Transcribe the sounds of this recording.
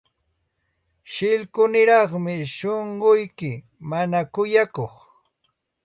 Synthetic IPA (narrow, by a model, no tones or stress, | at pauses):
ʃɪʎkʊnɪɾɑχmɪʃoɴɢʊjkɪ | manakʊjakoχ